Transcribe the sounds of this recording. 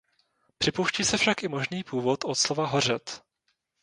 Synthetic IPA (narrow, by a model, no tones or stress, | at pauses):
pr̝̥ɪpowʃciːsɛfʃakʔɪmo̞ʒniːpuːvot̪ʔot̪slovaɦo̞r̝ɛt̪